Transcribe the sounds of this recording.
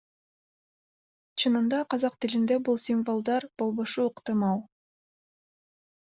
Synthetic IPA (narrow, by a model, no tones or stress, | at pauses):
t͡ʃʰɯnɯnd̪ɑqɑzɑqt̪ilind̪ebulˠsʲimvolˠd̪ɑɾb̥o̞lˠβo̞ʃuɯqt̪ɨmɑlˠ